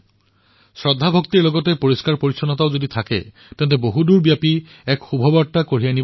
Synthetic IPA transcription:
sɹɔdʱːabʱokt̪iɹlɔɡɔtepoɹiskaɹpoɹisʰɔnɔt̬aʊzodit̪ʰakɛ̰ | tɛntɛboɦuduɹbijapi | ɛkxubʱɔbaɹtːakoɹijanib

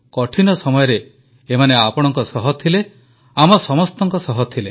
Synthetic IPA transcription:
kɔʈʰinɔsɔmɔjɔɾeː | maneapɔɽ̃ɔŋkɔsɔɦɔt̪ʰile | amɔsɔmɔst̪ɔŋkɔsɔɦɔt̪ʰile

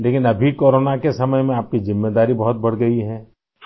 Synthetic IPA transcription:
leːkɪnɐbʱikoːɾoːnakesɐməjmẽaːp̚kizɪmːeːd̪aːɾibɐɦʊt̪̚bɐɽ̤ɡɐiɦɛ̃ː

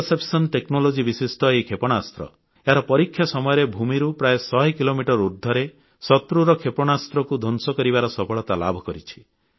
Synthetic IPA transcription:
sepsɔnt̪eknolod͡ʒibisisʈɔejkʰepɔɽ̃ast̪ɾɔ̰ | eaɾɔpɔɾikʰːjasɔmɔjɔɾebʱumiɾupɾaesɔɦikilomiʈɔɾuɾd̪ʱːɔɾe | sɔt̪ɾuɾɔkʰepɔɽ̃ast̪ɾɔkud̪ʱɔnsɔkɔɾibaɾɔsɔpʰɔɭɔt̪ala̰bʱɔkɔɾit͡ʃʰi̥

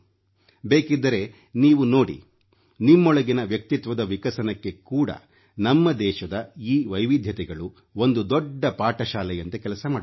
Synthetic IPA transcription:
beːkid̪ːɐɾe̞ | niːʋuno̞ːɽḭ | nimːɔɭɐɡinɐʋjɐk̚t̪it̪ʋɐd̪ɐʋikɐsɐnɐkːe̞kuːɽɐ̰ | nɐmːɐd̪ɛːʃɐd̪ɐiːʋɐjʋid̪ʱjɐt̪ɛɡɐɭu | o̞nd̪ud̪ɔɖːɐpaːʈɐʃaːlɛjɐnt̪ekɛlɐsɐmaːɽ

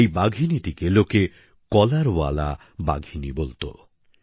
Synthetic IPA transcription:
ejbaɡʱinit̪ikeloke | kɔlaɾwa̰la̰ | ba̰ɡʱinibolt̪o̰

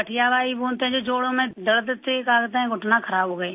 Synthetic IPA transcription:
əʈʰɪjaːbaːiboːnt̪ẽɦd͡ʒoːd͡ʒoːɽõmẽd̪ələt̪t̪ekaːkt̪aɛ̃ɡʊʈnãkʰəɾaːbɦoːɡəeː

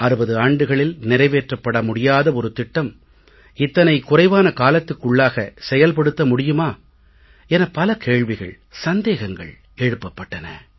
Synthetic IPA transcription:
ɐɾɯbɐðɯaːɳɖɯɣɐɭɪlnɪɾɐɪʋeːʈrɐpːɐɽɐmʊɽɪjaːðɐɔɾɯt̪ɪʈːɐm | ɪt̪ːɐnɐɪkʊrɐɪʋaːnɐkaːlɐt̪ːɯkːʊɭːaːɣɐsɛjɐlpɐɽɯt̪ːɐmʊɽɪjɯmaː | ɛnɐpɐlɐkeːɭʋɪɣɐ̰ɭ | sɐnd̪eːɣɐŋɡɐ̰ɭ | ɛɻɯpːɐpːɐʈːɐnɐ̰

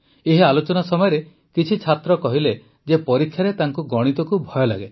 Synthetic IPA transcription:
eɦialot͡ʃɔnasɔmɔjɔɾe | kit͡ʃʰit͡ʃʰat̪ɾɔkɔɦile | d͡ʒepɔɾikʰjaɾet̪aŋkuɡɔɽ̃it̪ɔkubʱɔjɔla̰ɡe

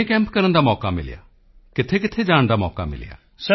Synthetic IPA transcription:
eːkɛ̃ːmpkəɾənd̪aːmɔːkaːmɪ̰lja̰ː | kɪt̪ʰeːk̬ɪt̪ʰeːd͡ʒaːɳ̃d̪aːmɔ̰ːka̰ːmɪ̰l̰ja̰ː | s

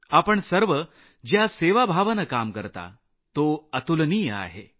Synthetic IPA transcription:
apəɳsəɾʋə | d͡ʑjaseʋabʱaʋənəkamkəɾt̪a̰ | t̪oət̪ulniːja̰ɦḛ

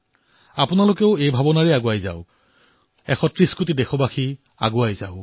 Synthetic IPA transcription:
apʊnalʊkɛʊejbʱabɔnaɹɛaɡʊajza̰ʊ | ɛxɔtɹiskutidɛxɔbaxi | a̰ɡʊajza̰ʊ

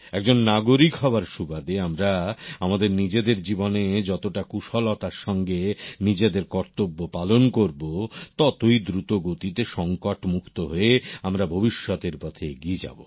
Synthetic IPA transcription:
ɛk̚d͡ʑonːaɡoɾikʰɔbaɾʃubad̪eamɾaamad̪eɾnid͡ʑed̪eɾd͡ʑiboned͡ʑɔt̪oʈakuʃɔlɔt̪aɾʃɔŋɡenid͡ʑed̪eɾkɔɾt̪obːopalonkoɾbot̪ɔt̪ojd̪ɾut̪oɡot̪it̪eʃɔŋkoʈmukʰt̪oɦoeamɾabʱobiʃːɔt̪eɾpɔt̪ʰeeɡied͡ʑa̰bo

